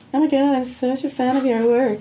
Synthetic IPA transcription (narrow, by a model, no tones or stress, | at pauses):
omaɪɡɑɾãɪ̃msot͡ʃəfæ̃ñʌvjə˞wɜ˞k